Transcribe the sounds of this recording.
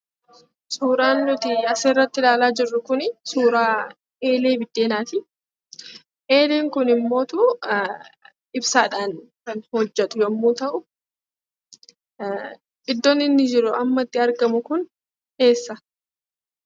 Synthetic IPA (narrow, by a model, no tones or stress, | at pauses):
suːɾaːnːʊt̪ɪɐseːrːɐt̪ːɪlaːlaːd͡ʒɪrːʊkʊnsuːɾaː | ʔe̞ːle̞ːbɪd̪̥ːe̞ːnaːt̪ɪ | ʔe̞ːleːŋkʊnɪmːo̞ːt̪uː | ɪbsaːᶑaːnkɐnhɔd͡ʒːɛt̪ʼʊjɐmːuːt̪ɐʔʊ | ɪd̪ːɔnːɪnːɪd͡ʒɪɾʊɐmːɐt̪ːɪɐɾɡɐmʊkʊn | e̞ːsːɐ